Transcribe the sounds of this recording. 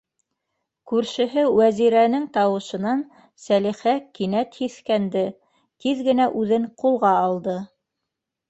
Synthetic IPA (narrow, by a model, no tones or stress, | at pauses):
kʉɾʃɘ̆ɦɘwæziɾænɘŋt̪ɑwɤ̆ʃɤ̆nɑn | sæliχækinæt̪hiθkænd̪ɘ | t̪iðɡɘ̆næʔʉðɘŋqulˠʁɑːlˠd̪ɤ